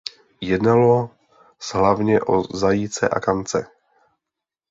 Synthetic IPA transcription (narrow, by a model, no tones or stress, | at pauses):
jɛdnalo | zɦlavɲɛʔo̰zajit͡sɛ̰ʔa̰kant͡sɛ